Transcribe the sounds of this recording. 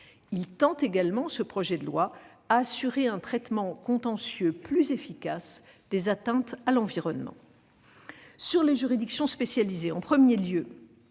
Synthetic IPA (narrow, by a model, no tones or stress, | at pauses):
ilt̪ɑ̃t̪eɡalmɑ̃səpχɔʒɛd̪əlwa | aːsyʁeɛ̃t̪χɛt̪mɑ̃kɔ̃t̪ɑ̃sjøplyzefikas | d̪ezat̪ɛ̃t̪alɑ̃viʁɔnmɑ̰̃ | syʁleʒyʁid̪iksjɔ̃spesjalizeɑ̃pχəmjeljø